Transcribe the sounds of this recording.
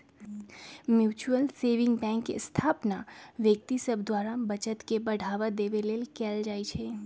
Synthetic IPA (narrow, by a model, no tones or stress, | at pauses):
mjut͡ʃuəlseʋɪ̃ŋɡbɛ̃ŋkst̪ʰapnaʋjək̚t̪isəbd̪ʋaɾabət͡ʃət̪kebəɽ̤ʱaʋad̪eʋelelkɛld͡ʒait͡ʃʰe